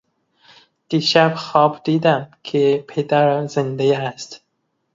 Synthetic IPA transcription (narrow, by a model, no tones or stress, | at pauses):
d̪̥iʃæbxɒːbd̪iːd̪æmkʰepʰed̪æɾzend̪eæst̪